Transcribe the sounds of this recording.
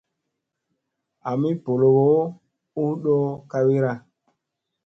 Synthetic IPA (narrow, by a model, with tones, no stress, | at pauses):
a˨mi˦po˨lo˨ɡo˦ | u˦ɗo˦ka˦wi˦ɾa˦